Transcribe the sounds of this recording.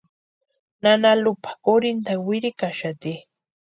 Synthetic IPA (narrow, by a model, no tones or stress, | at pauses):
nanalʊpḁkoɾɪnt̪awɪɾɪkaʃat̪i